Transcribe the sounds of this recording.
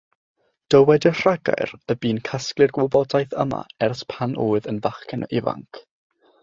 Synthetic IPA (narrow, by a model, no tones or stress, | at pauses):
d̥əwɛdər̥aɡa̰jrəbiːnkʰasklˠɪrɡwʊbɔdajθə̰ma̰ɛrspʰanʔoːɨðənvaχkʰɛnʔɪva̰ŋkʰ